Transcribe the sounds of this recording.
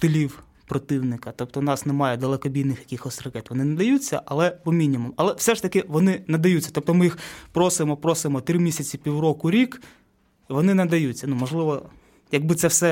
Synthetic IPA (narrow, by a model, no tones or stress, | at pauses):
t̪ɔlʲiw | pɾɔt̪ɪwnɪkɐt̪ɔp̚t̪ɔnɑsnemɑjɛd̪ɐlˠɐkɔbʲid̪nɪxjɐkʲɪxɔsʲrɐkɛt̪ʋɔnɪnɐd̪ɐjut͡sʲːɐ̰ʔɐlˠɛbɔmʲinʲimumɐlˠɛwsɛʃt̪ɐkɪʋɔnɪnɐd̪ɐjut͡sʲːɐ̥t̪ɔp̚t̪ɔmɪjixpɾɔsʊjemɔpɾɔsʊjemɔt̪ɾɪmʲisʲɐt͡sʲipʲiwrɔkʊɾʲik | ʋɔnɪnɐd̪ɐjut͡sʲːɐnumɔʒlˠɪʋɔ | jɐɡ̚bɪt̪sɛwsɛ